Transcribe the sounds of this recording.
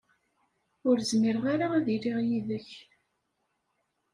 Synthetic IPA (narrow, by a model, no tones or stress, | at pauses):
ʊɾzmiɾʁaɾaaðiɾiʁjiðəç